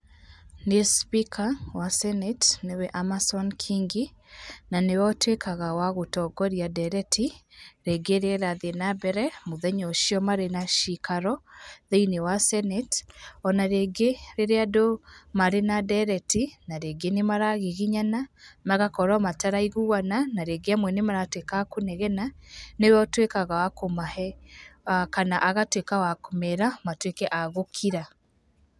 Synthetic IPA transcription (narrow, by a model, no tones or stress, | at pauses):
nespikʰawasɛnɛtnewɛʔamasɔnkʰiŋɡi | nanewɔtwekʰaɣawaɣotɔɡɔɾjadɛɾɛtʰiɾeɡeɾeɾaðenabɛɾɛmoðɛɲɔʃiɔmaɾenaʃikaɾɔðeinewasɛnɛtɔnaɾeɡeɾeɾeadomaɾenadɛɾɛtinaɾeɡenemaɾaɣeɣiɲanamaɣakɔɾɔmataɾaiɣuwananaɾeɡeamwɛnemaɾatwekakonɛɣɛnanewɔtwekaɣawakomahɛakanaʔaɣatwekawakomɛɾamatwekɛʔaɣokʰiɾa